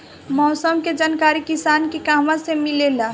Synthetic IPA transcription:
mɔːsəmked͡ʒaːnkaːɾikisaːnkikaːmãsemilela

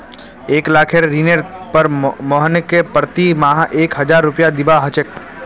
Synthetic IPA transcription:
eːklaːkʰeɾɾiːneɾpəɾmɔɦənkepɾt̪imaːɦʔeːkɦɐd͡ʒaːɾːʊpjad̪ɪbaɦət͡ʃək̚

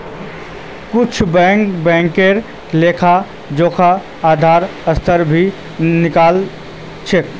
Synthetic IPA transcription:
kʊt͡ʃʰbɛ̃ːŋkbɛ̃ːŋkeːɾ | leːkʰa | d͡ʒoːkʰa | aːd̪ʱaːɾɐst̪ʰəɾbʱi | nɪkaːl | t͡ʃʰek

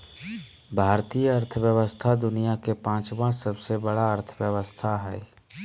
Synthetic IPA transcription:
bʱaːɾt̪ijəɐɾt̪ʰəʋjəʋəst̪ʰad̪ʊnijakepãːt͡ʃʋãsəbsebəɽaəɾt̪ʰwjəʋəst̪ʰaɦɛː

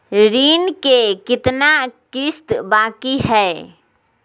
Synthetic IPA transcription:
ɾiːnkekɪt̪nakɪst̪baːkiɦɛː

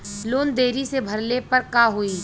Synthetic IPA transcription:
loːnd̪eːɾisebʱɐɾlepɐɾkaːɦoːiː

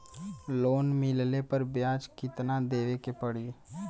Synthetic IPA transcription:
loːnmɪllepəɾbjaːd͡ʒkɪt̪nad̪eːʋekepəɽiː

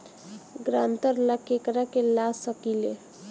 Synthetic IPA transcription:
ɡɾãnt̪əɾlakekɾakelasəkile

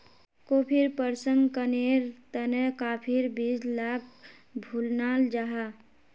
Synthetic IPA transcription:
kopʰiɾpəɾsəŋɡkəneɾt̪ənəkapʰiɾbid͡ʒlaːk̚ʰ | bʱulnaːld͡ʒaɦa

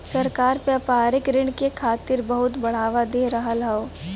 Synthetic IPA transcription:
sɐɾkaːɾpeɐpaːɾɪkɾɪɳ̃kekʰaːt̪ɪɾbɐɦʊt̪bɐɽ̤aːʋad̪eːɾɐɦəlaoː

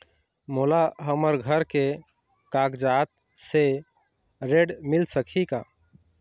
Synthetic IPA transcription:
molaɦəməɾɡʱəɾke | kakd͡ʒat̪̚ | se | ɾeɖmilsəkʰika̰

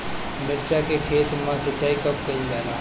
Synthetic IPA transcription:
mɪɾt͡ʃakekʰeːt̪mãsɐtːt͡ʃːaːikɐpkɐid͡ʒaːɾaː

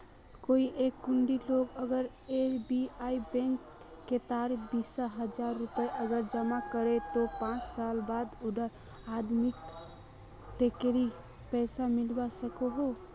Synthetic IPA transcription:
koiʔekːuɳɖiloɡəɡəɾ | eɾbiaibẽŋkː | et̪aɾibisəɦəd͡ʒaɾːupəeʔəɡəɾd͡ʒəmakəɾet̪opãt͡ʃsalbad̪ud̪əɾ | ad̪mik̚ | t̪ekeɾi | pɛjsamilbasəkoɦo

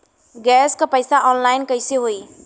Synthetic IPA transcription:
ɡɛskəpəjsaʔɔnlajnkəjseɦoi

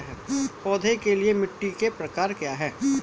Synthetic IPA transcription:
ɦɛːpɔːd̪ʱekeliemɪʈːikepɾɐkaːɾkjaːɦɛː

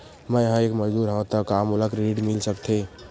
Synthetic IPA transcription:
mɛ̃jəɦãeːkməd͡ʒd̪uːɾɦõt̪əkamoləkɾeɖmɪlsəkt̪ʰe

